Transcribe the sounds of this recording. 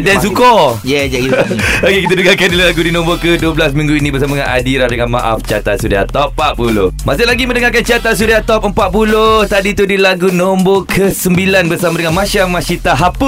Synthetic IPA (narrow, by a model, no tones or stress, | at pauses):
dɛns̬ukɔjɛiokekit̪aduɡakandillaɡudinɔ̃mbokəduəblasmĩŋɡuinĩbərsamadəŋã̰nʔa̰diɾahdəŋanma̰ʔa̰ft͡ʃia̰t̪aʔsuɾia̰t̪ɔpːapulo̰hmasɪʔlaɡiməndəŋakant͡ʃiat̪as̬uɾiat̪ɔp̚əmpat̪̚puloht̪adit̪udilaɡunɔmbokʰəsəmbilanbərsamadəŋanmãʃamãʃit̪aɦapu